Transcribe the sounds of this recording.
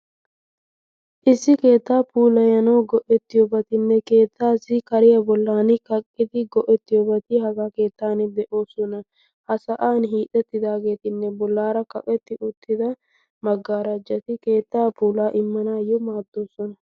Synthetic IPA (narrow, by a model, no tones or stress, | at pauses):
ʔɪsːɪke̞ːt̪ːaːpuːlɐjɐnɐwɡɔʔɛt̪ːɪjɔbɐt̪ɪnːɛke̞ːt̪ːaːsɪkɐɾɪjɐbɔlːaːnɪkɐkʼːɪd̪ɪɡɔʔɛt̪ːɪjɔbɐt̪ɪɦɐɡaːke̞ːt̪ːaːnɪd̪ɛʔo̞ːsɔnɐ | hɐsɐʔaːnɦiːt̪ʼːɛt̪ːɪd̪aːɡe̞ːt̪ɪnːɛbɔlːaːɾɐkɐ̰kʼɛt̪ːɪʔʊt̪ʰːɪd̪ɐ | mɐɡːaːɾɐd͡ʒːɐt̪ɪke̞ːt̪ːaːpuːlaːʔɪmːɐnaːjɔmaːd̪ːo̞ːsɔnɐ